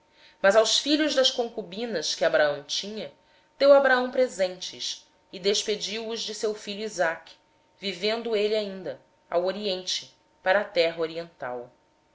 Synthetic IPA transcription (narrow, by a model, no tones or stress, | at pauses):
mɐzawsfiʎʊʒd̪ɐʃkõŋkubĩnɐskɪabɾaɐ̃w̃t͡ʃĩɲɐ | d̪̥ewabɾaɐ̃w̃pɾezẽnt͡ʃɪs | ɪd̪eʃped͡ʒiwʊʒd͡ʒɪsewfiʎuizakʲi̥ | vivẽnd̪ʊeliaĩnd̪ɐ | a̰woɾiẽnt͡ʃɪ | paɾɐːt̪ɛɦɐoɾiẽnt̪a̰w